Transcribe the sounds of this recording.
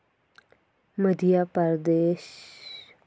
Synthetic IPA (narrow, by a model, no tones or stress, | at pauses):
məd̪ʱijapəɾd̪eːʃ